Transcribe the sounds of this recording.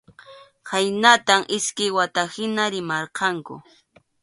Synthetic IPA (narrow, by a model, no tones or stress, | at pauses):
hajnat̪aŋʔɪskɪjwat̪ahɪnaɾɪmɑɾqɑŋkʊ̰